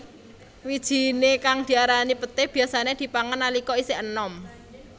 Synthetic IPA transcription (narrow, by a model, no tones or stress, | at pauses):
wid̥ʒ̥i̤nekaŋd̪̥i̤aɾanipət̪ɪhb̥i̤jasaned̪̥i̤paŋənalikɔisɪʔənɔm